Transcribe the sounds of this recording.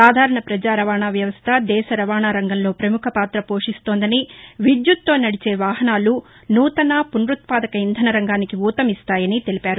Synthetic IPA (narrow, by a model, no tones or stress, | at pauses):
saːd̪ʱaːɾɐɳɐpɾɐd͡ʒaːɾɐʋaːɳaːʋjɐʋɐst̪ʰɐd̪ɛːʃɐɾɐʋaːɳaːɾɐŋɡɐnlo̞ːpɾɐmukʰɐpaːt̪ɾɐpo̞ːʂist̪oːnd̪ɐniʋid̪jut̪ːo̞ːnɐɽit͡ʃe̞ːʋaːɦɐnaːlu | nuːt̪ɐnaːpunɾut̪̚paːd̪ɐkɐind̪ʱɐnɐɾɐŋɡaːnikiuːt̪ɐmist̪aːjɐnit̪e̞lipaːɾu